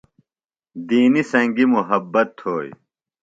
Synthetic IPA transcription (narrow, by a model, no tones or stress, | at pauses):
d̪iːnisɐ̃ŋɡimuɦɐbːɐt̪hoːj